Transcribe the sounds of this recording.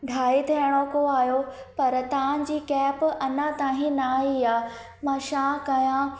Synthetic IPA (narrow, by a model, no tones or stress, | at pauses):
ɖʱaːit̪ʰiəɽ̃okoaːɦjo | pɐɾt̪ãːd͡ʑiːkɛːpɐnãt̪ãːɦĩnaːiaː | mãːʃãːkɐjã